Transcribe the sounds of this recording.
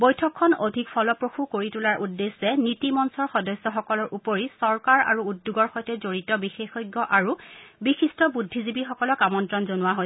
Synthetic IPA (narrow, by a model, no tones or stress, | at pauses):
bojtʰɔkʰːɔnodʱikpʰɔlɔpɹoxukoɹitulaɹʔudːesɛnitimɔnsɔɹxɔdɔsːɔxɔkɔlɔɹʔupoɹisɔɹkaɹa̰ɹuudːuɡɔɹxɔjtɛzoɹitɔbixexojɡːɔʔaɹubixistɔbudʱːizibixɔkɔlɔkamɔntɹɔnzonʊwaɦoj